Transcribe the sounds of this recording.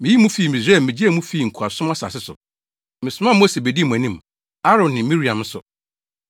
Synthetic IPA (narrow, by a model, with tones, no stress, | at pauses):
mɪ̃˨ji˦mũ˦fiː˦˨mĩ˨sɛ˦˨mɪ̃˨d͡ʑi˦ɛ˦˨mũ˦fiː˦˨ŋ̩˨kʰa˨sʊ˦mã˦sa̰˨sɪ˦sʊ̰˨ | mɪ̃˨sʊ˨˦mã˦mo˦se˨be˨di˦˨mũ˨æ̃˨nĩ˦m | a˦ɾɔ̃˨nːɪ̃˨mĩ˦ɾi˨ã˨mn̩˦sʊ̰˨